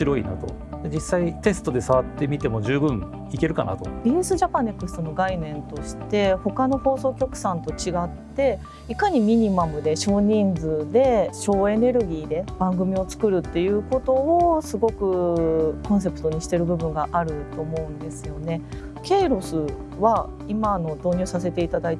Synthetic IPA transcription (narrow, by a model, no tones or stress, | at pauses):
ɕiɾo̞ḭna̰t̪o̞̰ | d̪ed͡ʑisːait̪e̞sɨ̥t̪o̞d̪e̞saβat̪ːe̞mʲit̪e̞mo̞ʑɨːbɯ̟̃ŋ̃ | ike̞ɾɯ̟ka̰na̰t̪o̞̰ɾʲiɯ̟sɨʑapãnːe̞kːɯ̟sɨ̥t̪o̞no̞ɡainẽ̞nt̪o̞ɕi̥t̪e̞ho̞kano̞ho̞ːso̞ːkʲo̞kɯ̟̥sãnt̪o̞t͡ɕiɡat̪ːe̞ | ikaɲ̟imʲiɲ̟imamɯ̟d̪e̞ɕo̞ːɲ̟ĩnd͡zɨd̪e̞ɕo̞ːe̞ne̞ɾɯ̟ɡʲiːd̪e̞b̥ãŋɡɯ̟mʲio̞t͡sɨ̥kɯ̟ɾɯ̟t̪ːe̞jɯ̟ːko̞t̪o̞ːsɨɡo̞kɯ̟kõ̞ɰ̃s̬e̞pɯ̟̥t̪o̞ɲ̟iɕi̥t̪e̞ɾɯ̟bɯ̟bɯ̟̃ŋɡaʔaɾɯ̟t̪o̞ːmo̞ɯ̟̃nd̪e̞sɨjo̞ne̞ | ke̞ːɾo̞sɨ | βa | imaːno̞d̪o̞ːɲʲɨːsase̞t̪e̞it̪ad̪ait̪